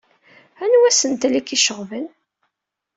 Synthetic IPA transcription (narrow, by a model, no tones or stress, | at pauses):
ænwæsənt̪likiʃəʁvən